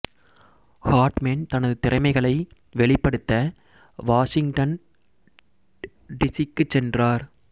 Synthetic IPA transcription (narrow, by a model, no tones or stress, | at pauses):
haːɾʈmeːnt̪ɐnɐðɯt̪ɪrɐɪmɐɪɣɐɭɐɪ | ʋɛɭɪpːɐɽɯt̪ːɐ | ʋaːʂɪŋɡʈɐn | ɖɪsikːɯt͡ʃːɛndraːɾ